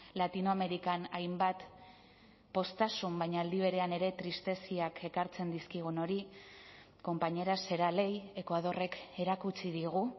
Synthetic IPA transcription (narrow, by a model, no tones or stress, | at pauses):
lat̪inoame̞ɾikanajmbat̪ | po̞st̪asumbajɲaːld̪iβ̞e̞ɾe̞ane̞ɾe̞t̪ɾist̪e̞siake̞kaɾt͡se̞nd̪iskiɣ̞uno̞ɾi | ko̞mpaɲe̞ɾase̞ɾale̞je̞kwaðo̞re̞ke̞ɾakut͡siðiɣ̞u